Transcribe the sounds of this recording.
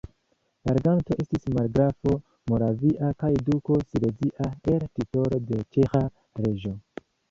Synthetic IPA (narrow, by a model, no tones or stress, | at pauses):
laɾɡanto̞ʔe̞stismaɾɡɾafo̞ | mo̞ɾaviʔakajduko̞sile̞ziʔaeɾtito̞ɾo̞de̞t͡ʃe̞xa | ɾe̞ʒo̞